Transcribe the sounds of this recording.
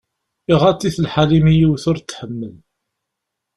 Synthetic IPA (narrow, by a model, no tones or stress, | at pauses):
iʁat͡sːiθəlħalimijiwθʊɾt͡sːħəmːəl